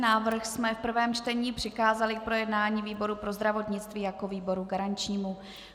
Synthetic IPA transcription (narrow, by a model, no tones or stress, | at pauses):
naːvr̩xsmɛfpr̩vɛːmt͡ʃt̪ɛɲiːpr̝̥ɪkaːzalɪk̚pɾo̞jɛdnaːɲiːviːbo̞ɾupɾo̞zd̪ɾavo̞t̪ɲɪt͡st̪viːjako̞viːbo̞ɾuɡaɾant͡ʃɲiːmu